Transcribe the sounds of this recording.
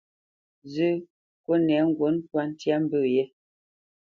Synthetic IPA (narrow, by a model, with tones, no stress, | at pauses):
zʉ˦ | ko˦nɛ˨˦ŋ̩˦˨ɡwo˨˦n˦twa˦n˦tja˦m˦bʉ˦˨jɛ˦